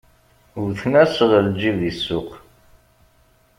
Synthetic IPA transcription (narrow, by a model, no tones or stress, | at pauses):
uɾθnæsʁəld͡ʒiðisːʊq